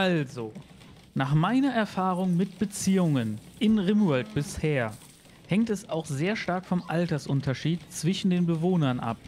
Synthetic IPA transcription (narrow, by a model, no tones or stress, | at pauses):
ʔalzo | naːχmaɪnɐʔɛɐfaːʁ̞ʊŋmɪt̚b̥ət͡siːʊŋənʔɪnʁɪmɛlt̚b̥ɪsheːɐ | hɛŋtɛsaʊxz̥eːɐʃtaɐkfɔmʔaltɐsʔʊntɐʃiːtt͡sv̥ɪʃn̩deːnbəvoːnɐnʔa̰p̚